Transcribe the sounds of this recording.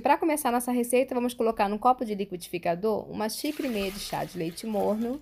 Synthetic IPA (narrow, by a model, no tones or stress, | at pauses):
pɾɐkomesaɾnɔsɐɦesejt̪ɐvɐ̃mʊskolokaɾnũkɔpʊd͡ʒɪlikwid͡ʒifikad̪oɾṵ̃mɐʃikɾimejɐd͡ʒɪʃa̰d͡ʒɪlejt͡ʃɪmoɾnʊ